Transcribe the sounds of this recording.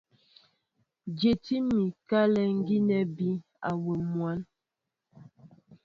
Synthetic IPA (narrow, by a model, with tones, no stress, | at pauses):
d͡ʒje˨ti˦mi˨ka˦lɛ˦ŋ̩˦ɡi˦nɛ˦bi˦ | a̰˨we˨mwa˦n